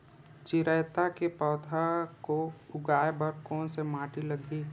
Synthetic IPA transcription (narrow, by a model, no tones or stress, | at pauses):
t͡ʃɪɾəjt̪akepɔːt̪ʰakoʊɡaːebɐɾkɔːnsemaːʈiləɡiː